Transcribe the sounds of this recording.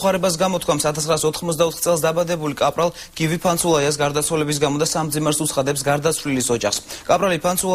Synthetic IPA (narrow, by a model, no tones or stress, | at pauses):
aɾɛbas̬ɡamɔt̪̚ʰkʰwamsat̪ʰasχɾaːsɔt̪ʰχmɔt̪sd̪aɔt̪ʰχt̪sʼɛlˠsd̪abad̪ɛbulikʼapʼɾalˠ | ɡ̥ivipʰant̪sulˠaias̬ɡaɾd̪at̪sʰwalɛbis̬ɡamɔd̪asamd̪zimɛɾsut̪sʰχad̪ɛps̬ɡaɾd̪at̪sʰvlilisɔd͡ʒaχskʼapʼɾalipʰansʰu